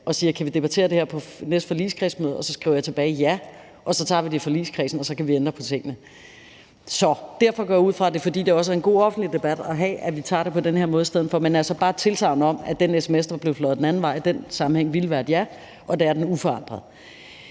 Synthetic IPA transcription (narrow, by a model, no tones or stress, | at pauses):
ɒ̽siːɐkʰæʋid̥e̝b̥æt͡sʰe̝̰ːɐd̥e̝heɐpʰɒ̽nesd̥fɒ̽lḭːskʰʁḭːsmøːð̩ˠɒ̽sɒ̽sɡ̥ʁiʊɐjɑ̈t͡sʰeb̥ɛːɪijæ | ʔɒ̽sɒ̽t͡sʰɑ̈ʋid̥efɒ̽lḭːskʰʁḭːsn̩ɒ̽sɒ̽kʰæʋiend̥ʁɐpʰɒ̽t͡sʰe̝ŋ̰ənə | sɒ̽d̥æɐfɒ̽ɡ̥ɒɐjauð̞̰ˠfʁɑ̈d̥e̝fɒ̽d̥ḭːd̥e̝ɒ̽səæɐenɡ̥o̝̰ːɒ̽fn̩d̥lid̥e̝b̥æd̥ɒɦɛ̰ːæʋit͡sʰɑ̰̈ːd̥epʰɒ̽d̥enheɐ̰mɔ̽ːðisd̥eð̰ˠn̩fɒmenæɐsɒ̽b̥ɑ̈ːt͡sʰe̝lt͡sʰʁɑ̈ʊnəɒ̽m̰æd̥enesemesd̥ɐb̥le̝ʊflɒ̽ð̩ˠd̥enæn̩ʋɑ̈ɪ̰d̥ensɑ̈m̩heŋ̰ʋilʋæːɐd̥jæ | ʔɒ̽d̥eæɐd̥enufɒ̽ɑ̈n̰d̥ʁɐð̩ˠ